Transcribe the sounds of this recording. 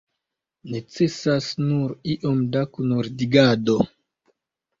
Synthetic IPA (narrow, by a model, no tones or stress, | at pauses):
ne̞t͡se̞sasnuɾiʔomdakunoɾdiɡado̞